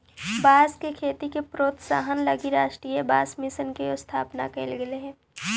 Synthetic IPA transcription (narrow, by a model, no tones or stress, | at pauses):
baːskekʰeːt̪ikepɾoːt̪sa̰ːɦənlɐɡiɾaːʃʈɾiːjəbaːsmɪsənkeost̪ʰaːpna̰keɪlɡeleɦɛ̃ː